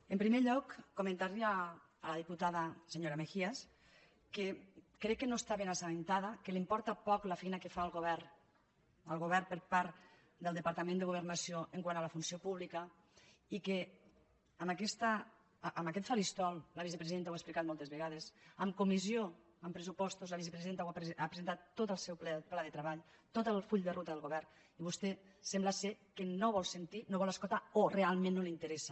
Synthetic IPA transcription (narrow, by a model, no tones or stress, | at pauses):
empɾimeʎɔkːomẽnt̪aɾiaː | laðiput̪aðaseɲoɾamexias | kekɾɛkːenoest̪aβenasanent̪aðakelimpɔɾt̪apɔklafɛjnakefaːlˠɣoβɛɾ | əlˠɣoβɛrpəɾpaɾt̪ | d̪əlˠd̪epaɾt̪amend̪eɣuβəɾnasioʔeŋkwanalafunsiopuβlika | ike | əmakɛst̪a | ʔːməkɛt̪faɾist̪ɔlˠlaβizəpɾeziðent̪awaesplikat̪mɔlˠt̪ezβəɣað̞esəmkumizio | əmpɾəsupɔst̪uzlaβisepɾeziðent̪awapɾapɾezent̪at̪ːot̪əlˠsɛwpplaðət̪ɾəβaʎ | t̪ot̪əlˠfuʎd̪ərʔut̪əðəlˠɣuβɛrn | iβust̪ɛsɛmblasekənoβɔlˠsent̪inoβɔləskolt̪aorealˠmẽnːolint̪əɾɛsə